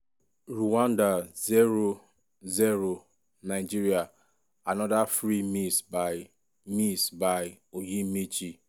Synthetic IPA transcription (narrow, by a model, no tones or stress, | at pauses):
ɾuwãndazeɾo | zeɾo | naɪd͡ʒiɾia | anɔdafɾimisbaj | misbaj | ojimit͡ʃi